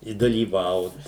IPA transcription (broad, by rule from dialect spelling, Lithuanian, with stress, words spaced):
ɪ dɐlʲiːˈʋɐʊt